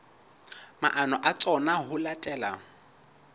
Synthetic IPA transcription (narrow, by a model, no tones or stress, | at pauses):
maʔanɔʔat͡sʼɔnaɦʊlatʼɛːla̰